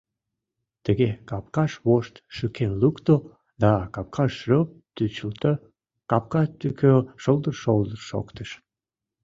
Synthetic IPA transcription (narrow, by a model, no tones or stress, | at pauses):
t̪əɣekɑp̚kɑʃβoʃt̪ʃykʰenlukt̪o | d̪ɑkɑp̚kʰɑʃrøp̚t̪yt͡ɕəlt̪ə | kɑp̚kɑt̪ykʰøʃolˠd̪ərʃold̪ərʃo̰kt̪əʃ